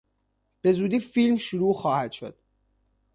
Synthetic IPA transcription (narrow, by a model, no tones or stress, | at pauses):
b̥e̞zuːd̪iːfilmʃuɾuːxɒːhæd̪̥ʃo̞̰d̪̥